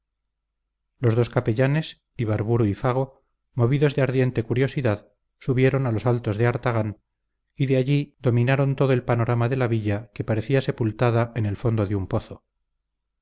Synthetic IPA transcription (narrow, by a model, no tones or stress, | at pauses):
lo̞zðoskape̞ʎane̞s | iβ̞aɾβuɾuifaɣ̞o̞ | mo̞βiðo̞zðeaɾðje̞nt̪e̞kuɾjo̞siðað | suβje̞ɾo̞nalo̞salt̪o̞zðeaɾt̪aɣ̞an | iðeaʎiðo̞mĩnaɾo̞nt̪oðoelpano̞ɾʔamaðe̞laβiʎake̞paɾe̞θiase̞pult̪aðaene̞lfo̞nd̪oðeumpo̞θo